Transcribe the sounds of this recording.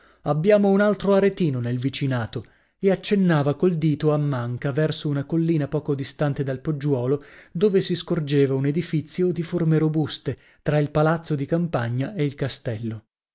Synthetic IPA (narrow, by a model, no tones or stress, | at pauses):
abːjaːmounalt̪ɾoaɾet̪iːnonelvit͡ʃinaːt̪o | eat͡ʃːenːaːvakold̪iːt̪oamːaŋkavɛrsounakolːiːnapɔːkod̪ist̪ant̪ed̪alpod͡ʒːwɔːlod̪oːvesiskord͡ʒeːvauned̪ifit̪sːjod̪iformeɾobust̪e | t̪ɾailpalat̪sːod̪ikampaɲːaeilkast̪ɛlːo